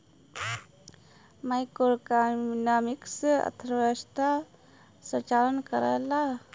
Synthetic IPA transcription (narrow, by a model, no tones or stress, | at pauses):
majkoɾkanamiksə̰t̪ʰɾʋəst̪a | sə̃t͡ʃalənkəɾa̰la